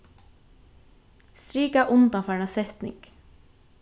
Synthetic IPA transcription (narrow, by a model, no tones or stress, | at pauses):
st̪ɾiːkɑʔʊnd̪ɑfɑnɑsɛt̪nɪ̰ŋɡ̥